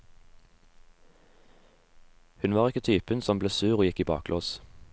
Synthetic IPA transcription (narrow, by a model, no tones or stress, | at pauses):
hʉnʋɑːʁɪkət̪ʰyːpənsɔmbleːsʉːʁoːjɪkiːbɑ̰ːklʔoːs